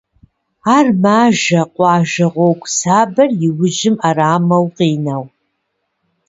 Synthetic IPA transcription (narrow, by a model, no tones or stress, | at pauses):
aːrmaːʒɐqʷɑːʒɐʁʷowkʷʼsaːbɐrjɪwʊʒɪmaraːmɐwqiːnɐw